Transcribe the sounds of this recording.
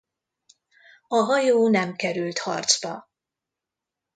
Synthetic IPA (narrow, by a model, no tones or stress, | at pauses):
ɒɦɒjoːnɛmkɛɾylt̪hɒ̰rt̪zbɒ